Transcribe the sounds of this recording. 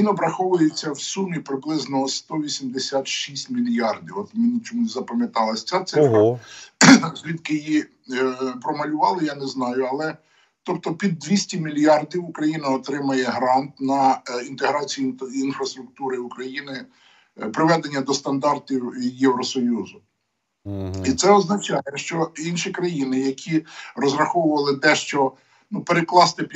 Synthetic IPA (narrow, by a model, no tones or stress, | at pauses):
ʋʲinɔbɾɐxɔʋʊjet͡sʲːɐwsumʲipɾɪblˠɪznɔst̪ɔʋʲisʲimd̪esʲat̪ʃisʲtʲmʲilʲjɑrd̪ʲiwɔt̪mʲinɪt͡ʃɔmunzɐpɐmʲjɐt̪ɑlˠɐsʲt͡sʲat̪sɪfɾɐ | zʲlʲid̪kɪjji | pɾɔmɐlʲʊʋɑlˠɪjanɛznɑjʊɐlˠɛ | t̪ɔp̚t̪ɔpʲid̪ːʋʲisʲtʲimʲilʲjɑrd̪ʲiʋʊkɾɐjinɐɔt̪ɾɪmɐjɛɦɾɑnt̪nɐint̪eɦɾɑt͡sʲijiinfɾɐst̪ɾʊk̚t̪uɾɪukɾɐjinɪ | pɾɪʋɛd̪enʲːɐd̪ɔst̪ɐnd̪ɑrt̪ʲiwjɛwɾɔsɔjuzʊ | it̪sɛɔznɐt͡ʃɑjɛʃt͡ʃɔinʃikɾɐjinɪjɐkʲʰirɔzɾɐxɔwʊʋɐlˠɪd̪ɛʃt͡ʃɔ | nupeɾeklˠɑst̪ɪpʲ